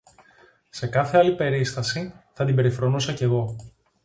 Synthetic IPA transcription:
se̞kɐθe̞ɐlipe̞ɾist̪ɐsiθɐt̪ibe̞ɾifɾo̞nusɐce̞ɣo̞

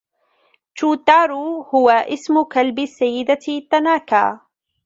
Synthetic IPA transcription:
t͡ʃuːt̪ːaːɾuhʊwaʔɪsmʊkalbɪsːajːɪd̪at̪ːanaːka̰ː

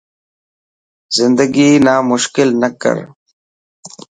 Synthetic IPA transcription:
zɪnd̪əɡinaːmʊʃkɪlnəkə̰ɾ

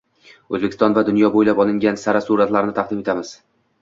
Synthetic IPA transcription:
ɵzbekʰʲɪ̥st̪ɒnvad̪ʊnjɒbojlapɒlˠɪŋɡʲansaɾasuɾat̪laɾnɪt̪ʰɑqd̪ɪme̞t̪ʰamɪz̥

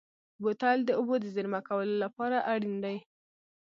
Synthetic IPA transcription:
bot̪ald̪əʊbod̪əzɪɾmakawəlolapɑɾaʔaɽind̪aj

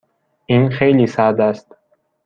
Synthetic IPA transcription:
inxejlisad̪ast̪

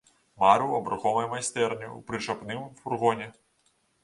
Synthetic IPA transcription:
maɾɨwɐbɾaxɔvɐjmajst̪ɛrnʲiwpɾɨt͡ʂapnɨmfurɣɔnʲɛ

